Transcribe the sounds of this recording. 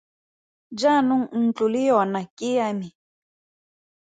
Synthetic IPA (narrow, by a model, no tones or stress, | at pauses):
d͡ʒanuŋ̩n̩t͡ɬʼulijɔnakʼijami